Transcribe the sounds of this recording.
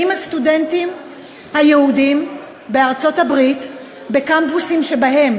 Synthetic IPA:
imhastudentim | hajeudim | be̞aʁt͡so̞thabʁit | be̞kampusimʃe̞baɦe̞m

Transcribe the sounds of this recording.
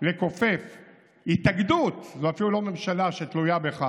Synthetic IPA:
leko̞fe̞f | hit̪aɡd̪ut̪zoafilulo̞me̞mʃalaʃet̪lujabeχa

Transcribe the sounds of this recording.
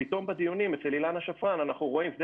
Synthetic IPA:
it̪o̞mbad̪ijunimet͡selilanaʃafʁananaχnuʁo̞imvd̪e

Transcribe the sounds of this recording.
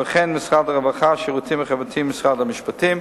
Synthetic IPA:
əχɛnmɪsχadaʁavaχaʃɪʁutʰimχɛvatʰimːɪsχadamɪʃpatim

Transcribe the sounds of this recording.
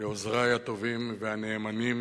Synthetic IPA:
eozʁajat̪o̞vimveaneːmanim

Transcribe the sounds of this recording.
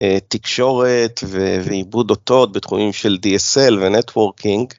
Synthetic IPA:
et̪ikʃo̞ʁet̪veveibud̪ot̪o̞t̪̚bet̪χumimʃeld̪ieselvenet̪woʁkʰiŋɡ

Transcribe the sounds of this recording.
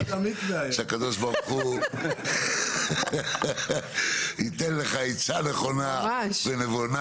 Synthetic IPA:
amikd̪ajʃeakad̪oʃbaʁχu | hit̪enleχait͡saneχo̞navenevona

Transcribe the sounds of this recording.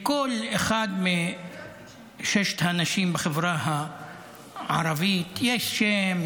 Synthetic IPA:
kolexad̪mi | ʃeʃt̪hanaʃiːmbexevɾaha | ʕa̰ɾˤɑvit̪jeʃʃem

